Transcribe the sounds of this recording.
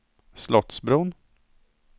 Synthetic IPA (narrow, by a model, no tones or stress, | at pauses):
slɔt̪sbɾuːn